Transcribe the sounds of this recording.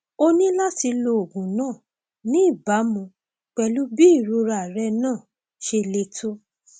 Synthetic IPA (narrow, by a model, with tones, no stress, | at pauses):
o˧nĩ˦la˦ti˧lo˧o˨ɡũ˨nãː˦˨ | nĩ˨˦i˦˨ba˨˦mũ˧ | k͡pɛ˧lu˦bi˦i˦˨ɾo˧ɾa˨ɾɛ˧nãː˦˨ | ʃe˧le˧to˦